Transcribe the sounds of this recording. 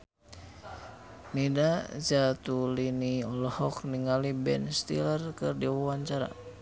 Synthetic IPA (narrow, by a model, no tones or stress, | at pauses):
nidad͡ʒat̪uliniɔlɔhɔkniŋalibɛnst̪ḭlərkɨrdiwawaɲt͡ʃaɾa̰